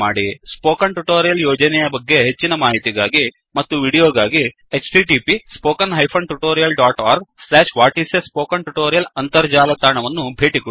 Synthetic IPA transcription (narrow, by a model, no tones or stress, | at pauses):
aːɽispoːkɐɳʈuʈoːɾijɐljoːd͡ʒɐnɛjɐbɐɡːe̞ɦet͡ʃːinɐmaːɦit̪iɡaːɡi | mɐt̪ːuʋiːɽijoːɡaːɡi | et͡ʃʈiʈiːpispoːkɐnɦɐjpʰɐɳʈuʈoːɾijɐlɖaːʈaːɾɡslɛːʂʋaːʈisespoːkɐɳʈuʈoːɾijɐlɐnt̪ɐɾd͡ʒaːlɐt̪aːɾɳɐʋɐnːubʱeːʈiko